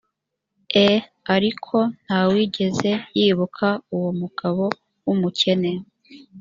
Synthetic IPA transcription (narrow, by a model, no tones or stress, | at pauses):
e | aɾikʰo̞n̥hawiɟe̞ze̞jiːβukʰauwomuɡ̥aβo̞ | wumucʰe̞neɾ